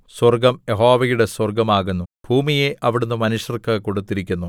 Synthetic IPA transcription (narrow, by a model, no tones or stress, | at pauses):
swɐrɡɐmjeɦoːʋɐjuɽe̞swɐrɡɐmaːɣunːubʱuːmijeʔɐʋiɽunːɨmɐnuɕjɐrkɨko̞ɽut̪ːiɾikʲːunːu